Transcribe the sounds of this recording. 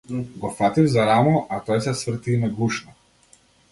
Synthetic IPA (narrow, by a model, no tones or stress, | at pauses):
ɡɔfat̪ivzaɾamɔʔat̪ɔjsɛsvr̩t̪inaɡˠuʃnɔ